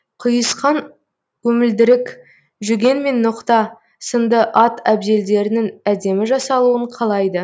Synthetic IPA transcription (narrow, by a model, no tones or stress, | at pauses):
qʰəjəsqɑn | kʲʰɵmɪld̪ɪɾɪk | ʒʏɾɡʲe̞nme̞nːʊqt̪ɑ | sənd̪əʔɑt̪æbd̪e̞ld̪e̞ɾɪnɪŋæd̪e̞mɪʒɑsɑlˠuəɴqʰɑlˠɑjd̪ə